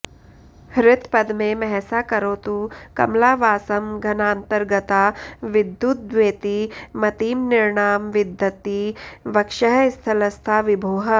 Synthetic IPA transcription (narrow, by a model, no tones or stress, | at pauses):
hɾɪt̪pɐd̪mẽmɛɦɛsaːkɐɾoːt̪ukɐ̰mlaːʋaːsɐmɡʱɐnaːnt̪əɾɡət̪aːʋɪd̪jut̪̚d̪ʋeːt̪imɐt̪iːmnɪɾɳaːmʋɪd̪ʱjɐt̪iʋɐkʃəɦɪst̪ʰɐləst̪ʰaːʋɪbʱoːɦə